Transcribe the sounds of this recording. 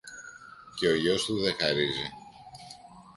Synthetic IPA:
ce̞o̞ʝo̞st̪uðe̞xɐɾizi

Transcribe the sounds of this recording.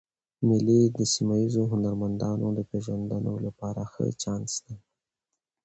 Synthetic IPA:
mɪlid̪əsimaizoɦʊnaɾmand̪ɑnod̪əpeʒwand̪anolapɑɾaxə̰t͡ʃɑnsd̪e

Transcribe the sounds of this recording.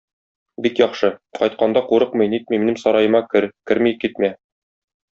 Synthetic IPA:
bikjɒχʃɤqɒjt̪̚qɑnd̪ɑquɾɤqmɤ̆jnit̪̚miminɘmsɒɾɑjɤ̆mɑkɘɾkɘɾmikit̪̚mæ

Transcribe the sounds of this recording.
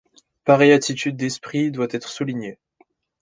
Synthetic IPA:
paʁɛjat̪it̪ʰyd̪ːɛspχid̪wat̪ɛt̪χsuliɲe

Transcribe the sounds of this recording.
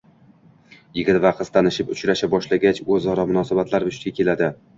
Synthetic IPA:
jɪɡʲɪt̪vaqʰɨst̪ʰanɪʃɪpʊt͡ʃɾaʃabɒʃlaɡʲat͡ʃɵzɒɾɒmʊnɒsabat̪laɾbʊʃt̪ɡʲakʲe̞lad̪ɪ

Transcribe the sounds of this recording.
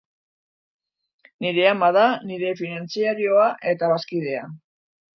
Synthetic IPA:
niɾe̞amað̞aniɾe̞finant͡siaɾio̞aʔe̞t̪aβaskið̞e̞a

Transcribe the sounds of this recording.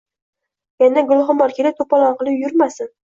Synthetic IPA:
janaɡʊlˠχʊmɒɾkʲʰelɪt̪ʰopɒlˠɒnqɨlˠɪpjʊɾmasɪn

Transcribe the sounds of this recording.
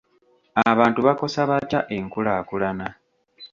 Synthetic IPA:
aβaːntuβako̞saβacaʔe̞ŋkulakulana

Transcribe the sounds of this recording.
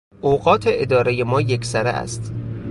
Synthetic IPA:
ʔoːɢɒːt̪ʰeʔed̪ɒːɾejemɒːjekʰsæɾḛʔæ̰st̪

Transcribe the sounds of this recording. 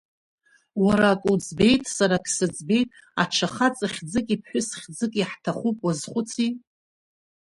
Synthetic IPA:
waɾaːkʼud͡zbe̞jtʼsaɾakʰʼsɨd͡zbe̞jtʼ | a̰ʈ͡ʂʰaχat͡sʼaχʲd͡zɨkʼipʰħʷʊsχʲd͡zɨkʼiħtʰaχupʼwazχʷʊt͡sʰi

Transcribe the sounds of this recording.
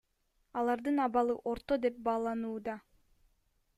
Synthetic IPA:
ɑlˠɑɾd̪ɯnɑβɑlˠɯʔo̞ɾt̪o̞d̪e̞p̚bɑːlˠɑnuːd̪ɑ

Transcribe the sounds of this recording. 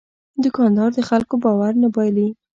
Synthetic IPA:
d̪əkɑnd̪ɑɾd̪əxalkobɑwaɾnabɑjli

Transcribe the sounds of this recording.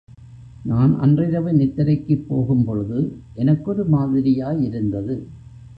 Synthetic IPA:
naːnʔɐ̰ndrɪɾɐʋɐnɪt̪ːɐɾɐɪkːɯpːoːɣɯmpɔɻɯðɯʔɛnɐkːɔɾɯmaːðɪɾɪjaːjɪɾɯnd̪ɐðɯ

